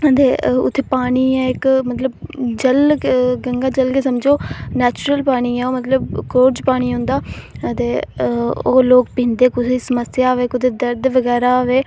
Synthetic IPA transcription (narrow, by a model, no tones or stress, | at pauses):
ət̪eːʊ̰t̪ʰːeːpaːɽ̃iːɛ̃ːɪkmət̪ləbd͡ʒəlɡəŋɡaːd͡ʒəlkeːsəmd͡ʒoːnɛːt͡ʃʊɾəlpaːɽ̃iːɛ̃ːoːmət̪ləb̚koːʈd͡ʒpaːɽ̃iːɦʊ̃nd̪aːət̪eː | o̰ːloːk̚pĩːnd̪eːkʊsiːsəməsjaːʋeːkʊt̪ʰeːd̪əɾd̪ʋəɡɛːɾaːʋeː